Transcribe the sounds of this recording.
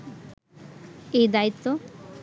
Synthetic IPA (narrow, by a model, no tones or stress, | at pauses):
ejd̪ait̪ːo